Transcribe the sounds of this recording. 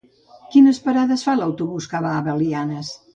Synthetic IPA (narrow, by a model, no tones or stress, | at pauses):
kinəspəɾaðəsfalawt̪uβuskaβaːβəlianəs